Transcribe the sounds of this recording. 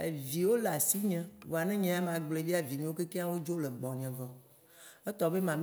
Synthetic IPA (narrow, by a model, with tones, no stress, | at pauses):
e˨vi˨wo˦la˨si˦ɲɛ̃˨wo˨a˨nɛ̃˦ɲɛ̃˨a˦mã˨ɡ͡ble˨vi˦a˨vi˨ɲɛ̃˦wo˦ke˦ke˦a˦wo˦d͡ʒo˦le˨ɡ͡bɔ˨ɲɛ̃˨vɔ˨ | e˦t̪ɔ˨be˦mã˨m